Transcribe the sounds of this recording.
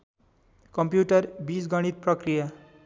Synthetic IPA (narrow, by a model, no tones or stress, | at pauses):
kʌmpjuʈʌrbisɡʌɽ̃it̪̚prʌkrija